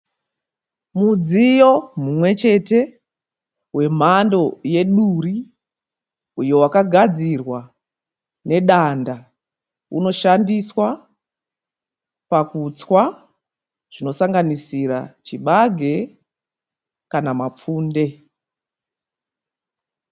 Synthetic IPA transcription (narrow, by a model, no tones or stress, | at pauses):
mud͡zijo̞mumwe̞t͡ʃe̞te̞ | we̞m̤ando̞je̞ɗuri | ujo̞wakaɡʱad͡zirwa | ne̞ɗanda | ṵno̞ʃandiswa | pakut͡swa | ʐ̥ino̞saŋɡanisiɾa̰t͡ʃiɓaɡʱe̞ | kanamap͡fuːnde̞